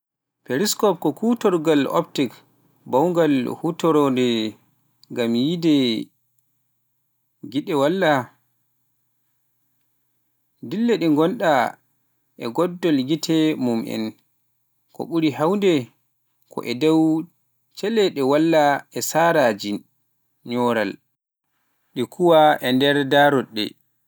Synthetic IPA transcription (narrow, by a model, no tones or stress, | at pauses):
pɛɾiskɔp̚kɔkutɔɾɡalɔ̰ptik | bawŋɡalhutɔɾɔndɛ | ŋɡamjidɛ | ɡiɗɛwalːa | dilːɛɗɛŋɡɔnɗa | ʔɛɡɔdːɔlɡitʰɛmumʔɛ̰n | kɔ̰ɓuɾiɦawndɛ | kʰɔ̰ʔɛdɛw | t͡ʃɛlɛɗɛwalːaɛsaːɾad͡ʒi | ɲɔːɾa̰l | ɗikʰuwaʔɛndɛɾdaɾɔɗːɛ̰